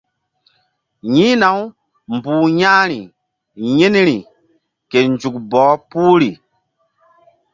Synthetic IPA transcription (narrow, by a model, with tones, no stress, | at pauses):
ɲĩ˦na˨˦w | mbuː˨ɲaː˦ɾi˨ | ɲe˦n˦ɾi˨ | ke˨nd͡ʒu˨k̚bɔː˨˦puː˦ɾi˨